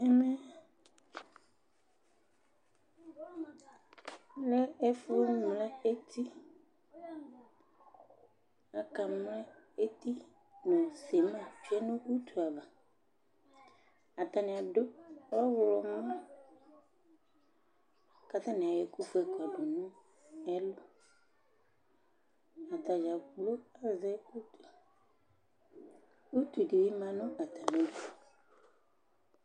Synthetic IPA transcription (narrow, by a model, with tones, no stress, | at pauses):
ɛ˦mɛ˦ | le˦e˦fu˦o˦nũ˨la˦e˦t̪ʰi˦ | a˨ka˨mlɛ˦ | e˦t̪i˦ | nɔ̃˨se˨mã˨fi˦a˦nũ˦u˦t̪ʰu˨a˨vã˨ | a˨t̪a˨nĩ˨a˨ɖo˦ɔ˦wʊ˨˦lɔ˨mɔ̃˦ | ka˦t̪ã˦nɪ̃˨a˨jɛ˨ku˦fɛ˦˨ka˨bɔ˨nʊ̃˦ | ɛ˦lʊ˦ | a˨t̪a˨d͡ʒa˨ɡ͡blo˦a˨zɛ˦u˦tu˨a˨ | u˦t̪u˨di˨wi˦mã˨nʊ̃˦a˨t̪a˨nĩ˨˦do˦f